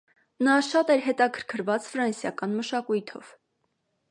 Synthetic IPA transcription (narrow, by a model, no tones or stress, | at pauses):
nɑʃɑt̪ɛɾɦɛt̪ɑkʰə̥ɾkʰəɾvɑt͡sfɾɑnsjɑkɑnməʃɑkujt̪ʰɔv̥